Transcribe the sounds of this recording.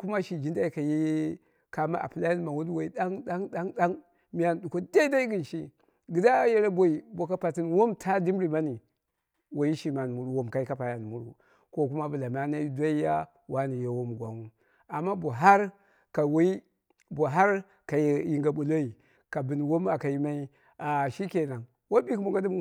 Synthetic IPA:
ku˦ma˦ʃi˨d͡ʒi˦nda˦i˦ka˨ji˦ | ka˨ma̰˦ʔa̰˨pi˨la˦ja˦n˦ma˨wu˦n˦wa˨i˨˦da˦ŋda˦ŋda˦ŋɗa˦ŋ | mi˦ja˦n˨ɗu˨ko˦da˦i˦da˦i˦ɡi˨n˨ʃi˦ | ɡi˨da˦je˦ɾa˦bo˨i˨bo˨ka˦pa˨ti˦nwo˦mtʰa˦di˦mɾi˨ma˦ni˨ | wo˨ji˦ʃi˨ma˨n˨mu˨ɾu˨wo˨mka˨i˦ka˦pa˨ja˨n˨mu˨ɾṵ˦ | ko˦ku˦ma˦bu˨la˨m˨a˦na˦i˦da˦i˦ja˦ | wa˦ni˨jo˨wo˦m˨ɡʷa˨ŋu˦ | a˨mːa˦bo˨ɦa˦ɾ | ka˨wa˦i˦ | bo˨ɦa˦ɾ | ka˨jji˨ŋɡa˨bu˨lo˦i˨ | ka˨bi˨n˨wo˦ma˨ka˨ji˦ma˦i˦ | a˨ʃi˦ke˨na˨ŋ | wo˦bi˦kmu˨ŋɡa˦di˦m˦

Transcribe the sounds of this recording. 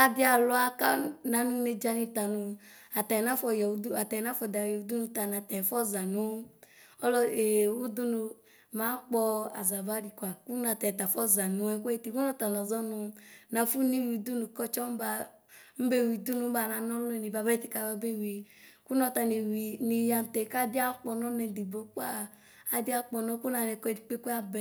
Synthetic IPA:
a˦di˦a˨lɔ˦a˦ka˦na˨˦nu˦ne˧d͡ʒa˧ni˧ta˨nu˧ | a˨tɛ˨na˦fɔ˧jɛ˨u˦du˦a˨tɛ˨na˦fɔ˨da˨jɛ˨u˨˦du˦nu˧ta˨na˨tɛ˨fɔ˦za˨nu˨˦ | ɔ˦lɔ˦e˨u˦du˦nu˧ | ma˨˦k͡pɔ˧a̰˨za˨ba˦ɾi˨kʷa˨ku˦na˨tɛ˨ta˨fɔ˦za˨nu˨ɛ˧kʷɛ˦i˦ti˨ku˦nɔ˦ta˨n˨ɔ˨zɔ˦nu˧na˨fu˦ni˦wi˨du˦nu˨kɔ˦t͡ʃɔ˦m̩˦ba˧ | m̩˦be˦˨wi˨du˦nu˨˦ba˧˨na˨nɔ˦lu˦ɛ˨ni˨ba˨bɛ˦ti˨ka˧˨ba˧be˦wi˨ | ku˦nɔ˧ta˧ni˨wi˨ni˨ja˧m˨tɛ˨˦ka˦˨di˦a˦k͡pɔ˧nɔ˦nɛ˨di˨bo˨˦k͡pa˦ | a˦di˦a˦k͡pɔ˧nɔ˦ku˦na˧nɛ˨kɔ˦˨di˨k͡pe˦ku˦a˦bɛ˨

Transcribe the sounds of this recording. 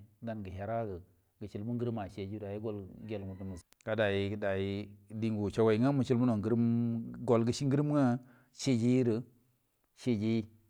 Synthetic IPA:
da˦nɡə˨ɦa˨ɾa˦ɡə˨ | ɡə˨t͡ʃi˦lmu˦ŋɡə˦ɾma˨ʃe˨d͡ʒi˦da˨ji˦ɡo˦˨lɡʲe˨lmu˨tə˨mu˨z | ka˨da˨ji˨da˨ji˦di˦ŋɡu˨t͡ʃa˨wa˨i˨ŋa˦mə˨t͡ʃi˦lmu˦no˨ŋɡə˦ɾmɡo˨lɡə˨ʃi˦ŋɡə˦ɾm˦ŋa˦ | ʃe˦d͡ʒe˦ji˦ɾə˨ | ʃe˦d͡ʒe˦ji˦

